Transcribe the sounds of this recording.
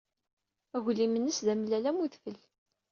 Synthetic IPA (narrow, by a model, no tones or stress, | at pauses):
æɣlimənːəsðæmlːælæmuðfəl